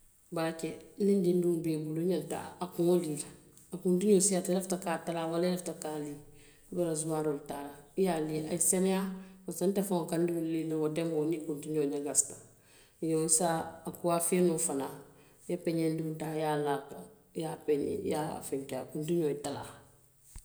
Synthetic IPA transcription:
balakɛnindinduŋbebuluɲanta̰ːakuŋolila | akundiɲosiatɛlɛftakaːtalaːwalɛlɛftakaːli | bɛɾazumaːɾoltaːɾajaliaisɛnɛjakansantɛfãŋokandulilawɔdɛ̃ŋɡɔnikuntiɲoɲaɡastḁ | joisaːkuwafenoːfana | japɛɲɛndidaːjaːlaːko | jaːpɛɲɛ̰jaa̰fɛŋkɛakuntiɲoitala̰ː

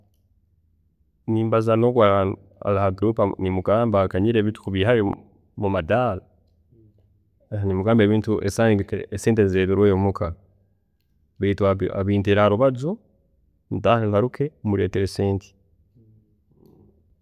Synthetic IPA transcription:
niːmbazanokwaa | a̰lahaɡɾuːpanimuɡaːmbakaɲiɾeβitu̥kuβihaβe | mumadala | eanimuɡaːmbeβiːntuʔḛsanieseːntezeɾeɾweːjomukʰa | βitwaaβiːnteɾaːɾuβazo | ntaehaɾukʰemuɾeːteɾeseːnti̥

